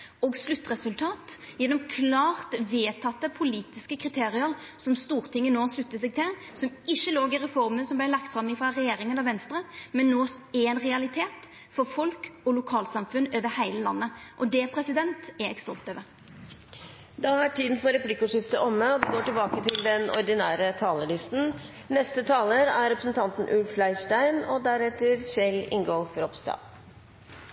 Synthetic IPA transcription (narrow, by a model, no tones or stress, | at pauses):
ɔːɡslʉt̪ːʁɛsʉlt̪ʰɑːt̪jɛnːɔmkʰlɑːʁt̪ʋeːt̪ʰɑt̪ːəpʰʊliːt̪ɪskəkʰʁɪt̪ʰeːɾɪəɾ | sɔmst̪uːɾt̪ʰɪŋːənoːslʉt̪ːəsɛɡ̚t̪ʰɪl | sɔmɪʃːəloːɡɪɾɛfɔɾmənsɔmblæɪlɑkt̪fɾɑmɪfɾɑɾɛjeːɾɪŋənɑʋɛnst̪ɾəmɛnːoːɛɛnʁɛɑlɪt̪ʰeːt̪ | fɔɾfɔlkɔlʊkʰɑːlsɑmfʉnøːʋəhæɪləlɑ̰nːəʔɔd̪ɛpʰʁɛsɪd̪ɛnt̪ɛɛkst̪ɔlt̪øːʋə | d̪ɑæʈʰiːd̪n̩fɔɾɛplɪkːəʊʂɪft̪əʔɔmːəɔʋɪɡoːʈɪlbɑːkət̪ʰɪld̪ɛnɔ̰ɾd̪ɪnæːɾət̪ʰɑːləɭɪst̪n̩ | nɛst̪ət̪ʰɑːləɾæɾɾɛpɾəsn̩t̪ʰɑnt̪n̩ʔʉlfflæɪʂʈæɪnɔd̪æɾɛt̪ːəɾʃɛlɪ̰ŋɡoːfɾɔpst̪ɑ̰ː